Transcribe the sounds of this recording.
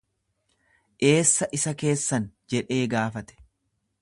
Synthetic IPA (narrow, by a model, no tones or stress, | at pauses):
ʔe̞ːsːɐʔɪsɐke̞ːsːɐnd͡ʒɛᶑe̞ːɡaːfɐt̪ɛ̥